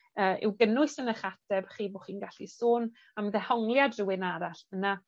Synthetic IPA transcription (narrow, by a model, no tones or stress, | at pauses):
əːʔɪ̰wɡənʊɨsənəχatʰɛbχiːboχiːnɡaɬisoːn | aməðɛhɔŋlˠjadrɪwɪnaɾaɬəna